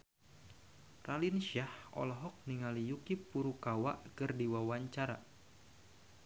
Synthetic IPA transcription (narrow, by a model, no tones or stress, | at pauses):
ralinʃahɔ̰lɔɦɔk̚niŋalijukipuɾukawa̰ʔkɨrdiwawaɲt͡ʃaɾa̰